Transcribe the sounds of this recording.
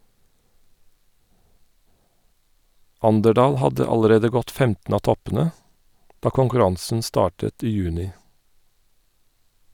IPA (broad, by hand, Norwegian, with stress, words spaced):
ˈʔɑndəˌɖɑːl ˈhɑdə ˈɑləˌɾeːdə ˈɡɔt ˈfɛmtn̩ ˈɑː ˈtɔpn̩ə ˈdɑː kʊŋkʉˈɾɑŋsn̩ ˈstɑːʈət ˈiː ˈjʉːnɪ